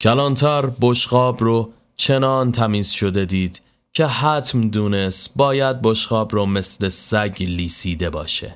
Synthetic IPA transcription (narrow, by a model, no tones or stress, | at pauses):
cʰælɒːnt̪ʰɒːɾboʃɢɒːbro | t͡ʃʰe̞nɒːnt̪ʰæmiːz̥ʃo̞d̪e̞d̪iːd̪̥ | cʰe̞hæt̪ʰmd̪uːne̞st̪bɒːjæd̪̚boʃɢɒːbrɔːme̞sle̞sæɟliːsiːd̪e̞bɒ̰ːʃḛ